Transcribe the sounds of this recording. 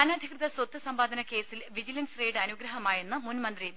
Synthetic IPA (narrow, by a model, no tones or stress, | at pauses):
aːnaːd̪ʱikrɨðɐswɐt̪ːɨsɐmbaːd̪ʱɐnɐke̞ːsilʋid͡ʑilɐnsreːɖɐnuɡɾɐɦɐmaːjenːɨmunmɐnd̪ri